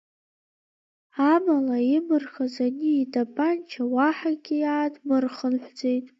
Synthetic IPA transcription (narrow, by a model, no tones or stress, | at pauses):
amalaimɨrχazaniːdʰʼapʼant͡ʃʰawaħaɡʲijaːdʰʼmɨrχənħʷd͡ze̞jtʼ